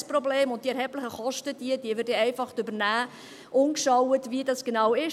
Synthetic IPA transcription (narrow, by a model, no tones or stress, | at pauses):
spɾɔbleːmʊnt̚d̥iɛɾhɛblɪχəχɔʃtəd̥iəd̥iəʋɪdeɛɪfɑχtʏbəɾnæː | ʔʊnkʃɑwətvidɑsɡ̥enɑwɪ